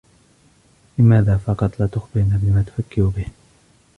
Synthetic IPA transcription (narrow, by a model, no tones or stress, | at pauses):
lɪmaːðaːfɑqɑt̪ˤlat̪ʊxbɪɾnaːbɪmaːt̪ʊ̥fakːɪɾubɪh